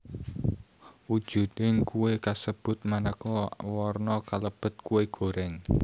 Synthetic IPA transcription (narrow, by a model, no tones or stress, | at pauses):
ud̥ʒ̥ṳd̪ɪŋkuwekasəb̥ʊ̤t̪̚manakɔwɔrnɔkaləb̥ə̤t̪̚kuweɡ̥o̤ɾɛŋ